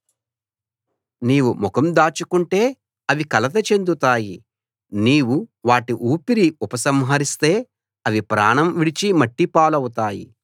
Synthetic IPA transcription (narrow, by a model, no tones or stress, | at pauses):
niːʋumukɐmd̪aːt͡ʃukuɳʈe̞ː | ɐʋikɐlɐt̪̬ɐt͡ʃe̞nd̪ut̪aːji | niːwuʋaːʈiʔuːpiɾiupɐsɐmɦɐɾist̪e̞ː | ɐʋipɾaːɳɐmʋiɽit͡ʃimɐʈːipaːlɐwut̪aːjḭ